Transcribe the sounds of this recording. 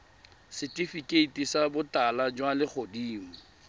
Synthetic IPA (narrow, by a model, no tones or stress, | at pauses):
sɪtʼifikʼeitʼisabʊtalad͡ʒwalɪk͡xʰodiːm̩